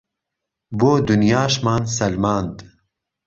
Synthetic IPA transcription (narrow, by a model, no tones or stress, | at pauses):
boːd̪unjaːʃmaːnsɐlmaːnd̪